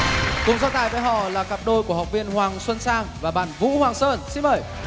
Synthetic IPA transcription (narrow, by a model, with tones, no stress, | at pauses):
kʊ˨˩ŋ͡mzaː˧wt̪aː˨˩jvəː˧˩jɦɔ̰˧˨laː˨˩ka˨˩p̚ɗo˧jku˧˩əhwk͡p̚vi˧ənhwaː˨˩ŋswə˧nsaː˧ŋvaː˨˩ɓa̰ː˧˨nvṵ˧˥hwaː˨˩ŋsəː˧nsi˧nɓəː˨˩j